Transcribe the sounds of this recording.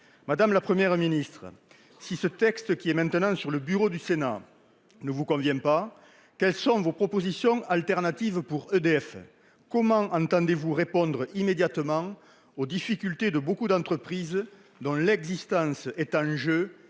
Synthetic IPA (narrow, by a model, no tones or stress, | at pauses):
mad̪amlapχəmjɛʁminist̪χə̰ | sisət̪ɛkst̪əkʲiɛmɛ̃nt̪ənɑ̃syʁləbyʁod̪ysena̰ | nəvukɔ̃vjɛ̃pa | kɛlsɔ̃vopχɔpozisjɔ̃alt̪ɛʁnat̪ivəpuʁød̪eɛf | kɔmɑ̃ʔɑ̃nt̪ɑ̃nd̪evuʁepɔ̃nd̪ʁəimed̪jat̪əmɑ̃ | od̪ifikʲylt̪ed̪əbokud̪ɑ̃nt̪χəpχiz | d̪ɔ̃lɛɡzist̪ɑ̃sɛt̪ɑ̃ʒø